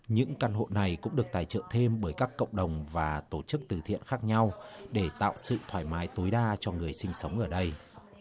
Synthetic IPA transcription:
ɲɨ̰˧˥ŋka˧nɦo̰˧˨na˨˩jkʊ̰˧˥ŋ͡mɗɨ˨˩ək̚t̪aː˨˩jt͡ɕɨ̰˧˨ŋt̪ʰe˧mɓəː˧˩jkaː˦˥kːə̰˧˨wŋ͡mɗə˨˩wŋ͡mvaː˨˩t̪o˧˩t͡ɕɨ˦˥k̚t̪ɨ˨˩t̪ʰḭ˧˨ənxaː˦˥k̚ɲa˧wɗe˧˩t̪a̰ː˧˨wsɨ̰˧˨t̪ʰwaː˧˩jmaː˨˦jt̪o˨˦jɗaː˧t͡ɕɔ˧ŋɨ˨˩əjsï˧ŋ̟sə˨˦wŋ͡mʔəː˧˩ɗə˧j

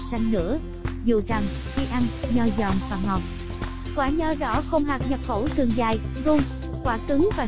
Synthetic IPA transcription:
sa˧jŋ̟nɨ̰˧˥ə | zu˨˩za˨˩ŋ | xi˧ʔa˧nɲɔ˧zɔ˨˩ŋvaː˨˩ŋɔ˨˩t̚ | kwaː˧˩ɲəː˧zɔ̰˧˩˦xə˧wŋ͡mɦaː˨˩k̚ɲə˨˩p̚xo˧˩˦t̪ʰɨ˨˩əŋzaː˨˩jzu˧ŋ | kwaː˧˩t̪ɨ˨˦ŋvaː˨˩

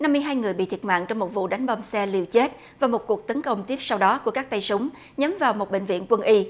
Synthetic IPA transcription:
na˧mːɨ˧jɦaː˧jŋɨ˨˩əjɓḭ˧˨t̪ʰi˩əma̰ː˧˨ŋt͡ɕɔ˧wŋ͡mmo˨˩t̚vṵ˧˨ɗa˨˦jŋ̟ɓɔ˧msɛ˧li˧˩əwt͡ɕe˦˥t̚ | vaː˨˩mo˨˩ku˨˩ək̚t̪ə˨˦nkə˧wŋ͡mt̪i˦˥p̚sa˧wɗɔ˨˦ku˧˩əkaː˦˥k̚t̪a˧jsʊ˨˦ŋ͡m | ɲə˨˦mvaː˨˩wmo˨˩t̚ɓḛ˧˨ŋ̟vḭ˧˨ənkwə˧nʔi˧

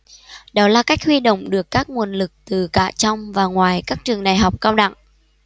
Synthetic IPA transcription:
ɗɔ˨˦laː˨˩ka˦˥jk̟̚hwi˧ɗo̰˧˨wŋ͡mɗɨ˨˩əkːaː˦˥k̚ŋu˨˩ənlɨ˨˩k̚t̪ɨ˨˩ka̰ː˧˨t͡ɕɔ˧wŋ͡mvaː˨˩ŋwaː˨˩jkaː˦˥k̚t͡ɕɨ˨˩əŋɗaː˨˩jɦɔ˨˩wk͡p̚kaː˧wɗa̰˧˨ŋ

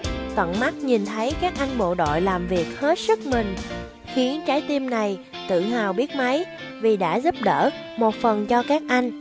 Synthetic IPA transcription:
t̪wə̰˧˨nma˦˥t̚ɲi˨˩nt̪ʰə˨˦jkaː˦˥k̚ʔa˧jŋ̟ɓo̰˧˨ɗo̰˧˨jlaː˨˩mvi˨˩ək̚he˦˥t̚sɨ˦˥k̚mï˨˩ŋ̟ | xwi˨˦ənt͡ɕaː˨˦jt̪i˧mna˨˩j | t̪ɨ̰˧˨ɦaː˨˩wɓi˦˥ət̚ma˨˦j | vi˨˩ɗa̰ː˧˥zu˦˥p̚ɗə̰ː˧˥ | mo˨˩t̚fə˨˩nt͡ɕɔ˧kaː˦˥k̚ʔa˧jŋ̟

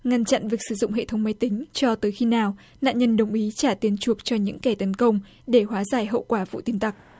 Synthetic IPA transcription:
ŋa˧nt͡ɕa̰˧˨nvi˨˩ək̚sɨ̥˧˩zʊ̰˧˨ŋ͡mɦḛ˧˨t̪ʰə˨˦wŋ͡mma˨˦jt̪ï˨˦ŋ̟t͡ɕɔ˧t̪əː˨˦jxi˧naː˨˩w | na̰ː˧˨nɲə˧nɗə˨˩wŋ͡mʔi˨˦t͡ɕaː˧˩t̪i˨˦ənt͡ɕu˨˩ək̚t͡ɕɔ˧ɲɨ̰˧˥ŋka˧˩t̪ə˨˦nkə˧wŋ͡m | ɗe˧˩hwaː˨˦zaː˧˩jɦə̰˧˨wkwaː˧˩vṵ˧˨t̪i˧ənt̪a˨˩k̚

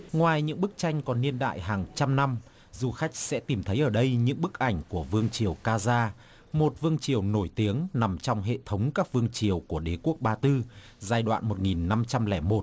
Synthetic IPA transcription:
ŋwaː˨˩jɲɨ̰˧˥ŋɓɨ˦˥k̚t͡ɕa˧jŋ̟kɔ˨˩nːi˧ənɗa̰ː˧˨jɦaː˨˩ŋt͡ɕa˧mna˧m | zu˨˩xa˦˥jk̟̚sɛ̰˧˥t̪i˨˩mt̪ʰə˨˦jʔəː˧˩ɗə˧jɲɨ̰˧˥ŋɓɨ˦˥k̚ʔa˧˩jŋ̟ku˧˩əvɨ˧əŋt͡ɕi˨˩əwkaː˧zaː˧ | mo˨˩t̚vɨ˧əŋt͡ɕi˨˩əwno˧˩jt̪i˨˦əŋna˨˩mt͡ɕɔ˧wŋ͡mɦḛ˧˨t̪ʰə˨˦wŋ͡mkaː˦˥k̚vɨ˧əŋt͡ɕi˨˩əwku˧˩əɗe˨˦ku˦˥ək̚ɓaː˧t̪ɨ˧ | zaː˧jɗwa̰ː˧˨nmo˨˩t̚ŋi˨˩nːa˧mt͡ɕa˧mlɛ˧˩mo˨˩t̚

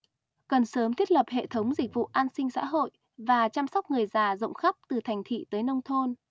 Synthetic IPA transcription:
kə˨˩nsəː˨˦mt̪ʰi˦˥ət̚lə˨˩p̚hḛ˧˨t̪ʰə˨˦wŋ͡mzi˨˩k̟̚vṵ˧˨ʔaː˧nsï˧ŋ̟sa̰ː˧˥ɦo̰˧˨j | vaː˨˩t͡ɕa˧msɔ˦˥wk͡p̚ŋɨ˨˩əjzaː˨˩zə̰˧˨wŋ͡mxa˦˥k͡p̚t̪ɨ˨˩t̪ʰa˨˩jŋ̟t̪ʰḭ˧˨t̪əː˨˦jnə˧wŋ͡mt̪ʰo˧n

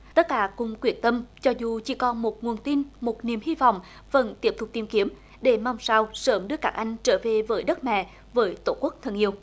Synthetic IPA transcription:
t̪ə˦˥t̚kaː˧˦kʊ̰˧˨ŋ͡mkwi˧˩ənt̪ə˧mt͡ɕɔ˧zu˨˩t͡ɕḭ˧˩˦kɔ˧nmo˨˩t̚ŋu˨˩ənt̪i˧nmo˨˩t̚ni˨˩əmhi˧va̰˧˨wŋ͡m | və˧˩nt̪i˦˥əp̚t̪ʰʊ˨˩k͡p̚t̪i˧˩mki˨˦əm | ɗe˧˩ma˧wŋ͡msaː˧wsəː˧˦mɗɨ˨˧kaː˦˥k̚ʔa˧jŋ̟t͡ɕəː˧˦ve˨˩vəː˨˦jɗə˦˥t̚mɛ̰˧˨ | vəː˨˦jt̪o˧˩ku˦˥ək̚t̪ʰə˧˩nʔi˧əw

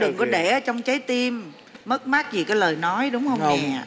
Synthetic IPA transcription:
ɗɨ˨˩ŋkɔ˨˦ɗe˧˩əː˨˧˦t͡ɕɔ˧wŋ͡mt͡ɕə˨˦jt̪i˧mː | ə˦˥t̚ma˦˥t̚zi˨˩kaː˨˦jləː˨˩jnɔ˨˦jɗʊ˨˦wŋ͡mhə˧wa˨˩

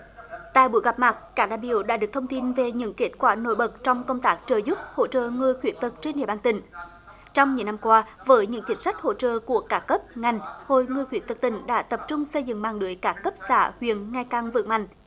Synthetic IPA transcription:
t̪a̰ː˧˨jɓṵ˧˦jɣa˨˩p̚ma˨˩t̚kaː˦˥k̚ɗaː˧˨˩ɓḭ˧˨əwɗa̰ː˧˥ɗɨ˨˩ək̚t̪ʰə˧wŋ͡mt̪i˧nve˨˩ɲɨ̰˧˥ŋke˦˥t̚kwaː˧˩no̰˧˥˦jɓə˨˩t̚t͡ɕɔ˧wŋ͡mkə˧wŋ͡mt̪aː˦˥k̚t͡ɕəː˨˩jzʊ˦˥p̚ho̰˧˨t͡ɕə̰ː˧˨ŋɨ˨˩əjxwi˧˨˦ənt̪ɨ˨˩k̚t͡ɕe˧nɗḭ˧˨əɓaː˧˩nt̪ï˨˩ŋ̟ | t͡ɕɔ˧wŋ͡mɲɨ̰˧˥˦na˧mkwaː˧vəː˨˦jɲɨ̰˧˥ŋt͡ɕï˨˦ŋ̟swa˦˥jk̟̚ho̰˧˨t͡ɕə̰ː˧˨ku˧˩əkaː˦˥kkə˦˥p̚ŋa˨˩jŋ̟ho˧˨˩jŋɨ˨˩jxwi˧˩ənt̪ɨ˨˩t̪ï˧˩ŋ̟ɗa̰ː˧˥t̪ə˨˩p̚t͡ɕʊ˧ŋ͡msə˧jzɨ̰˧˨ŋmaː˨˩ŋɗɨ˨˦əjkaː˦˥kːə˦˥p̚sa̰ː˧˩hwḭ˧˨ənŋa˧˩jkaː˨˩ŋvɨ̰˧˨ma̰˧˨ŋ̟

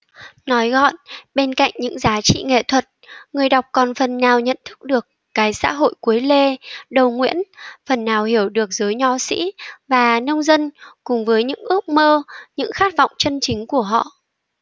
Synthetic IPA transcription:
nɔ˨˦jɣɔ̰˧˨nɓe˧nka̰˧˨jŋ̟ɲɨ̰˧˥ŋzaː˨˦t͡ɕḭ˧˨ŋḛ˧˨t̪ʰwə˨˩t̚ŋɨ˨˩əjɗa˨˩wk͡p̚kɔ˨˩nfə˨˩nːaː˨˩wɲə̰˧˨nt̪ʰɨ˦˥k̚ɗɨ˨˩əkːaː˨˦jsa̰ː˧˥ɦo̰˧˨jku˨˦əjle˧ɗə˨˩wŋwḭ˧˥ənfə˨˩nːaː˨˩whi˧˩əwɗɨ˨˩ək̚zəː˨˦jɲɔ˨˦sḭ˧˥vaː˨˩nə˧wŋ͡mzə˧nkʊ˨˩ŋ͡mvəː˨˦jɲɨ̰˧˥ŋʔɨ˦˥ək̚məː˧ɲɨ̰˧˥ŋxaː˦˥t̚vɔ̰˧˨wŋ͡mt͡ɕə˧nt͡ɕï˨˦ŋ̟ku˧˩əɦɔ̰˧˨ʔ

